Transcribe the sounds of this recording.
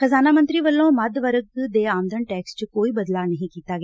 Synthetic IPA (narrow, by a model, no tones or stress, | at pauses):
xəzaːnaːmə̃nt̪ɾiːʋəlːõːməd̪ʋəɾəɡd̪eːaːmd̪əɳʈɛːkst͡ʃkoːiːbəd̪laːnəɦĩːkiːt̪aːɡeː